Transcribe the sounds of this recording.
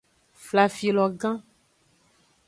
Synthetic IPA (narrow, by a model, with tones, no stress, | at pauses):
fla˨fi˨lɔ˨ɡã˦